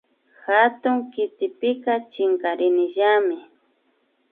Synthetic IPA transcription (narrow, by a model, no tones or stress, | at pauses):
xat̪ʊŋkɪt̪ɪpɪkat͡ʃɪŋkaɾɪnɪʒamɪ